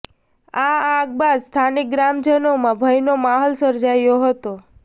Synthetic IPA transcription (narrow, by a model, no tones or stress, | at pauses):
aãɡ̚bad̪st̪ʰanik̚ɡɾamd͡ʒənomãbʱəjnomaɦolsəɾd͡ʒajoɦət̪o